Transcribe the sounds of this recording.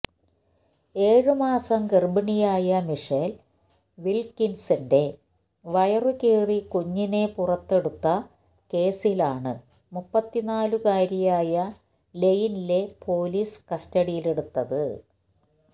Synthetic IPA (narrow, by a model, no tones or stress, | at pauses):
e̞ːɻɨmaːsɐmɡerbɐɳijaːjɐmiʂel | ʋilkinsinde̞ | ʋɐjɐrɨkeːrikuɲːine̞purɐt̪ːe̞ɽut̪ːɐ | ke̞ːsilaːɳɨ | mupːɐt̪ːinaːlukaːɾijaːjɐ | le̞jinile̞pʰo̞ːliːskɐstɐɽijile̞ɽut̪ːɐðɨ